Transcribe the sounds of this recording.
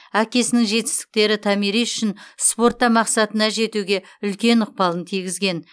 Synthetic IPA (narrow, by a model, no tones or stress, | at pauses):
ækʲe̞sɪnɪŋʒe̞t̪ɪ̥st̪ɪ̥k̚t̪e̞ɾɪt̪ʰɑmiɾijʏ̥ʃɪnspo̞rt̪ːɑmɑqsɑt̪ənɑʒe̞t̪uɡʲe̞ | ʏlkʲe̞nʊq̚pɑlˠənt̪ʰijɡʲɪzɡʲe̞n